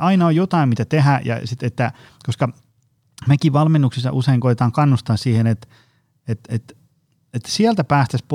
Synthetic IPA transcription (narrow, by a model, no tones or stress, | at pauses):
ɑinɑojot̪ɑimmit̪æt̪eɦæjɑ̰sit̪et̪ːæ | koskɑ | mekiʋʋɑlmenːuksisːɑ̰ʔuseiŋkoit̪et̪ɑːŋkɑnːust̪ɑːssiːhenet̪ | et̪et̪ | et̪ːsiælt̪æpæːst̪æsp